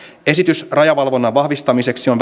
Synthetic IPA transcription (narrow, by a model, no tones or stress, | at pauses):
e̞sit̪ysrɑjɑʋɑlʋo̞nːɑʋɑhʋist̪ɑmise̞ksion